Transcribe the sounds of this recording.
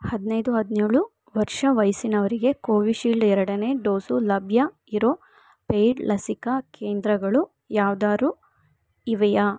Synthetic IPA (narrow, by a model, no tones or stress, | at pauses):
hɐd̪inɐjd̪uɦɐd̪neːɭu | ʋɐɾʂɐʋɐjsinɐʋɐɾiɡe̞koːʋiʃiːɭɖɛɾɐɽɐne̞ːɖoːsulɐbʱjɐ | iɾoː | pejɖlʔɐsikɐke̞ːnd̪ɾɐɡɐɭu | jaːʋd̪aːɾu | iʋɛjɐ